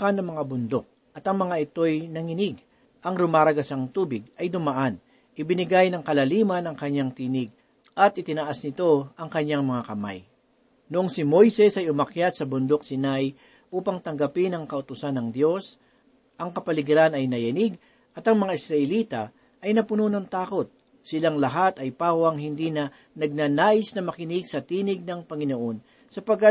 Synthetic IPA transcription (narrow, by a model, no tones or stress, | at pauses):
kanɐŋmɐŋabʊnd̪ok̚ | ʔɐt̪ɐŋmɐŋaʔɪt̪o̞jnɐŋɪnɪɡ | ʔɐŋɾʊmaːɾɐɡɐsaŋt̪uːbɪɡ̚ɐjd̪ʊmaʔan | ʔɪbɪnɪɡajnɐŋkɐlɐliːmɐnɐŋkɐɲːaŋt̪iːnɪɡ̚ | ʔɐt̪ʔɪt̪ɪnɐʔasnɪt̪o̞ʔɐŋkɐɲːaŋmɐŋakɐma̰j | nʊʔoŋsɪmo̞jsɛsɐjʊmɐkjat̪̚sɐbʊnd̪ok̚sɪnaj | ʔuːpɐŋt̪ɐŋɡɐpɪnɐŋkɐʔʊt̪ʊsanɐŋd̪jo̞s | ʔɐŋkɐpɐlɪɡɾanɐjnɐjɐniɡ | ʔɐt̪ɐŋmɐŋaʔɪsɾɐʔɛliːt̪ɐ | ʔɐjnɐpʊnuːnont̪aːko̞t̪̚ | sɪlaŋlɐɦat̪ɐjpaːwɐŋɦɪnd̪inɐ | nɐɡ̚nanaːʔɪsnɐmɐkɪnɪɡsɐt̪iːnɪɡ̚nɐŋpɐŋɪnoʔo̞n | sɐpɐɡat̪̚